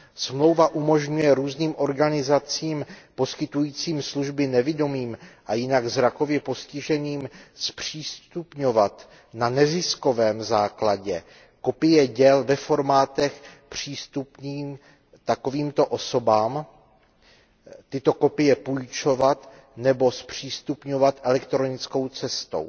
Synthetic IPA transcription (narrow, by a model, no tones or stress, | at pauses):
smlo̞wvaʔumo̞ʒɲujɛɾuːzniːmʔo̞ɾɡanɪzat͡siːmpo̞skɪt̪ujiːt͡siːmsluʒbɪnɛvɪdomiːmʔajɪnaɡzɾako̞vjɛpo̞scɪʒɛniːmspr̝̥iːst̪upɲo̞vat̪ | nanɛzɪsko̞vɛːmzaːklaɟɛ | ko̞pɪjɛɟɛlvɛfo̞ɾmaːt̪ɛxpr̝̥iːst̪upniːm | t̪ako̞viːmt̪o̞ʔo̞so̞baːm | t̪ɪt̪o̞ko̞pɪjɛpujt͡ʃo̞vat̪ | nɛbo̞spr̝̥iːst̪upɲo̞vat̪ʔɛlɛkt̪ɾo̞nɪt͡sko̞wt͡sɛst̪o̞̰w